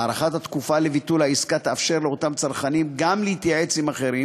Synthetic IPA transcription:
aʁaχat̪at̪kufale̞vitulhaiskat̪aːfʃe̞ʁleo̞t̪amt͡saʁχanimɡamlehit̪jaʕe̞t͡simaχe̞ɾim

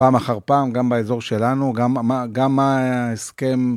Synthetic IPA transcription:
paːmaχaʁpaːmɡambaezo̞ʁʃe̞lanuɡamaɡamːaeske̞m

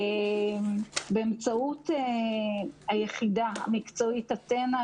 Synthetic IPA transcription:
e | beemt͡saute | ajeχidaa̰mikt͡soitatena

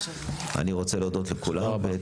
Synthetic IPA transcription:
a̰niʁo̞t͡seleod̪o̞tlekulamabe

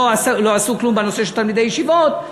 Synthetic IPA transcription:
aslo̞asuklumbeno̞seʃelt̪almid̪ejeʃivot̪

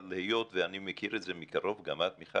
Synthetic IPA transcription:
lehejot̪veanimekiɾetzemikaʁovɡamat̪miχa

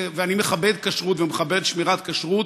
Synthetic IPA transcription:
veanimeχabed̪kaʃʁutvemeχabeʁet̪ʃmiʁat̪kaʃʁut

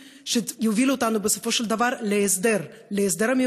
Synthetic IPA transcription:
ʃejovilot̪anubeso̞fo̞ʃeld̪avaʁlesd̪eɾleːs̬d̪e̞ɾame

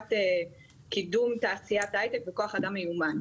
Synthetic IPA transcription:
te | kidumtaːsijatajtekveko̞aχadamːejuman

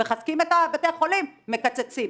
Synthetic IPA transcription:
eχaskimetabat̪eaχo̞limːekat͡set͡sim

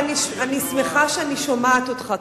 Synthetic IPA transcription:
niʃanismeχaʃeaniʃomaːt̪ot̪χa

